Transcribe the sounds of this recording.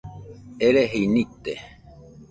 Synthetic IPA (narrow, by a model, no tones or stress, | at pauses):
eɾeɦejnit̪e